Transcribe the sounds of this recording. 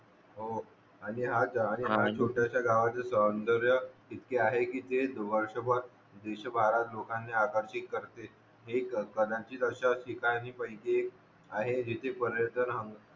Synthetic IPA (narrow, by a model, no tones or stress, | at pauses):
ɦo | aɽ̃iɦaaɽ̃iɦat͡ɕʰoʈjaɕjaɡaʋat͡səsəənd̪əɾjəkit̪keaɦekiːt̪ed̪əʋəɾʂəbʱət̪ | d̪eɕəbʱaɾat̪lokãnːeakəɾɕik̪kəɾt̪e | ɦekəd̪ãt͡ɕiːt̪əɕasikaniːpə̃ikeːk | aɦed͡ʑit̪ʰepəɾjəɾt̪ʰənɦəŋɡ